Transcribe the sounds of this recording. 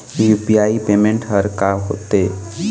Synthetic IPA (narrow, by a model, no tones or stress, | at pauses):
jupijaːipeːmẽɳʈɦəɾkaɦo̰ːt̪eː